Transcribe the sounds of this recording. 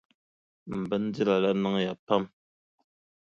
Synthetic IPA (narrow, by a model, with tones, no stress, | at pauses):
m̩˨bə˦n˦d͡zi˦la˨la˦na˦ŋja˨pa˦˨m